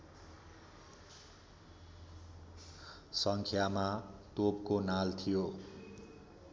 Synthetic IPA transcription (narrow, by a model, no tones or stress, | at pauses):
sʌŋkʰjamat̪opkonalt̪ʰijo